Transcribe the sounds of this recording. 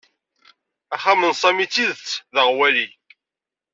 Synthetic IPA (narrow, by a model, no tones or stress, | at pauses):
æχamənsˤæmit͡sːiðət͡sːðəʁwæli